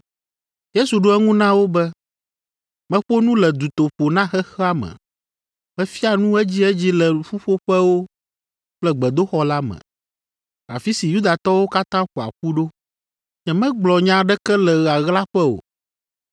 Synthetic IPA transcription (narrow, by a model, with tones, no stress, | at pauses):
je˦su˨ɖo˦ɛ˦ŋũ˦nã˦wo˦bɛ˦ | mɛ̃˦ɸo˦nũ˦lɛ˨d̪u˨t̪o˨ɸo˨nã˦xɛ˦xɛ˦a˦mɛ̰̃˨ | mɛ̃˦fi˦a˨nũ˦ɛ˦d͡ʑi˦ɛ˦d͡ʑi˦lɛ˨ɸu˦ɸo˦ɸɛ˦wo˦ | k͡plɛ˦ɡ͡bɛ˨d̪o˦xɔ˦la˦mɛ̰̃˨ | a̰˨fi˦si˨ju˦d̪a˨t̪ɔ˦wo˦ka˦t̪ã˦ɸu˨a̰˨ɸu˦ɖo˦ | ɲɛ̃˨mɛ̃˦ɡ͡blɔ˨ɲã˨ɖɛ˦kɛ˦lɛ˨ɣa˨ɣla˦ɸɛ˦o̰˨